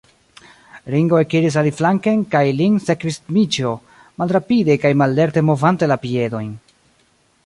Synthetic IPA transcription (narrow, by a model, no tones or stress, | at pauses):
ɾiŋɡo̞ekiɾis̬aliflaŋkenkajlinse̞kvismit͡ʃo̞ | malɾapide̞kajmalːe̞ɾte̞mo̞vante̞lapie̞do̞jn